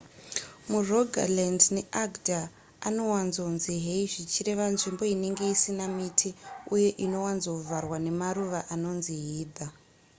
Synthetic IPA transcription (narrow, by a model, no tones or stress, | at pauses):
muroɡʱa̰lendneʔaɡda | ano̞wanzonziɦe̞iʐit͡ʃire̞ʋanʐimbo̞ine̞ŋɡe̞isinamitʰiuje̞ʔino̞wanzouvʱarwane̞maɾuʋaʔano̞nziɦiːd̪ʱa